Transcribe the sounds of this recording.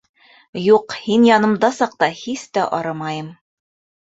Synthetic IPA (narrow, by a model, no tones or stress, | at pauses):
juqhinjɒnɤ̆md̪ɑsɑq̚t̪ɑhist̪æʔɒɾɤmɑjɤm